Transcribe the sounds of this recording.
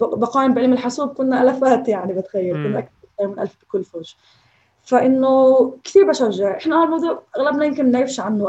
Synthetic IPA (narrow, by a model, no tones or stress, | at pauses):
bɑqɑːʔɪmbɪʕɪlːmɪlħʊsuːb̚kʊnːaʔalafaːt̪jaʕnibɪt̪xajːalkʊnːʔak̚tɾɪt̪iːɾmɪnʔa̰lfbɪkʊlːfoːʒ | faʔɪnːokt̪iːɾbaʃaʒːaʕʔɪħnahaːlmɑd̪ˤuːʕʔaɣlabnajɪmkɪnnʕɪfʃʕanːʊ